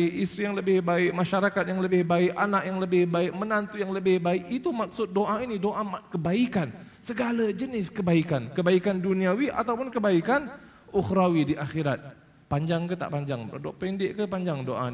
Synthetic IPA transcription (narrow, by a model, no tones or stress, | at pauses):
ʔist̪ɾijaŋləbɪhbaɪk̚maʃaɾakat̪̚jaŋləbɪhbaɪkanakjaŋləbɪhbaɪk̚mənant̪ujaŋləbɪhbaɪk̚it̪umak̚sʊt̪̚doʔainidoʔamakəbaikan | səɡalad͡ʒənɪskəbaikankəbaikanduniawiʔa̰t̪awpʊnkəbaikan | ʊxɾawidiʔaxiɾat̪̚ | paɲd͡ʒaŋkət̪a̰ʔpaɲd͡ʒaŋdoʔpindɪʔkəpaɲd͡ʒaŋdoʔa̰